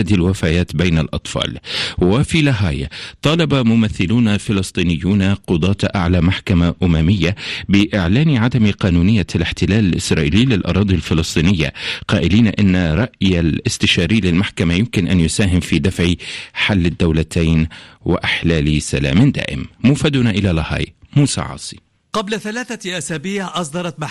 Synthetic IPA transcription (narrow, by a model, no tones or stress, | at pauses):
d̪ilwafajaːt̪bajnalʔɑ̰t̪ˤfɑ̰ːlwɪfilaɦaːja̰t̪ˤɑːlɑbamʊmaθːɪluːnafɪlɨsˤt̪ˤiːnɪjːuːnaqʊd̪ˤɑːt̪ʔaʕlamaħkamaʔʊmamɪjːabɪʔɪʕlaːniʕad̪amqɑːnuːnɪjːalɪħt̪ɪlaːlɪlʔɪsɾˤɑːʔḭːliːlɪlʔɑ̰ɾˤɑːd̪ˤilfɪlɨsˤt̪ˤiːnɪjːa̰qɑːʔɪliːnaʔɪnːaɾˤɑʔjalʔɪst̪ɪʃɑːɾiːlɪlmaħkamajʊmkɪnʔanjʊsaːɦɪmfiːd̪afʕiħalːad̪ːawlat̪ʰajnwɪ̰ʔɪħlaːlisala̰ːmɪnd̪a̰ːʔɪ̰mːuːfad̪ʊnaʔɪlalɑhɑ̰ːjmuːsa̰ʕɑ̰ːsˤi̥ | qɑblaθalaːθaʔasaːbiːʕʔɑs̬ˤd̪ɑɾˤɑt̪ma